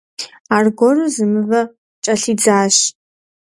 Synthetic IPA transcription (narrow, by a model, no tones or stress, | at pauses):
arɡʷɔruzɨmɨvɐ | t͡ʃʼɐɬid͡zaːʃ